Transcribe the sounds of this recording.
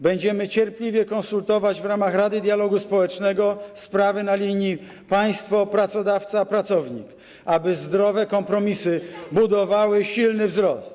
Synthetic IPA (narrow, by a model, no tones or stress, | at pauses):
bɛɲd͡ʑɛmɘt͡ɕɛɾplʲivʲjɛkɔnsult̪ɔvad͡ʑvɾamaxɾad̪ɘd̪ʲjalɔɡuspɔwɛt͡ʂnɛɡɔspɾavɘnalʲiɲi | paj̃st̪fɔpɾat̪sɔd̪aft̪sapɾat̪sɔvɲḭk | abɘzd̪ɾɔvɛkɔmpɾɔmʲisɘbud̪ɔvawɘɕilnɘvzɾɔst̪